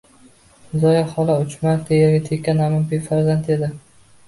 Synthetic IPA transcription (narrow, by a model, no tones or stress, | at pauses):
zɒjaχɒlˠaʊt͡ʃmaɾt̪ʰejeɾɡʲat̪ʰekʲʰːanamampijfaɾzant̪e̞d̪ɪ